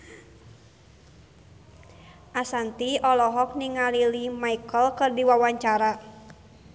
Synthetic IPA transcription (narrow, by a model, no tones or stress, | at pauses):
ʔasant̪iɔlɔɦɔk̚niŋalilimaikəlkɨrdiwawaɲt͡ʃaɾa